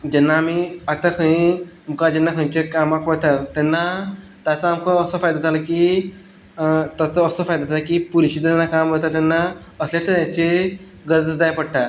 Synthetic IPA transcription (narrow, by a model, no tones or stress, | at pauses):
d͡ʑɛnːaːmiat̪akʰəɽ̃ĩ | m̤ukad͡ʑɛnːakʰə̃t͡ɕekamakʋət̪at̪ɛnːa | t̪at͡saamkəəsəfajd̪at̪ʰaləki | t̪at͡səːsəfajd̪at̪ʰaləkiːpuɾɕit̪anːakamʋət̪at̪ɛnːaəslet̪əɾjat͡ɕe | ɡəɾd̪d̪ajpəɽt̪a